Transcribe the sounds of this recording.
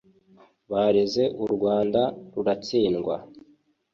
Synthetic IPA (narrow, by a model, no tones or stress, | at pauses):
βaːɾeze̞ʔuɾɡwaːndaɾuɾat͡siːnɡwa̰